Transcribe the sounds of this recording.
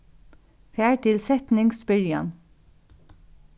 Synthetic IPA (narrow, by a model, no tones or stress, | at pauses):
fæːɹt̪ʰɪlsɛt̪nɪŋksbɪɹja̰n